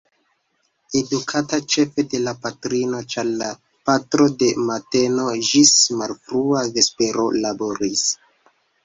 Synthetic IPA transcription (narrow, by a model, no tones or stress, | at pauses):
e̞dukʰatat͡ʃe̞fe̞de̞lapatɾino̞t͡ʃaɾla | patɾo̞de̞mate̞no̞d͡ʒismalfɾuave̞spe̞ɾo̞labo̞ɾis